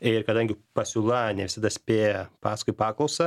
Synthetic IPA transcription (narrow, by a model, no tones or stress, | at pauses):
ɪrkɐd̪ɐŋʲɡʲɪpɐsʲʊlˠɑnʲɛʋʲɪsɐd̪ɐsʲpʲeːjɛpɑːskʊɪpɑːklˠɐʊsɐ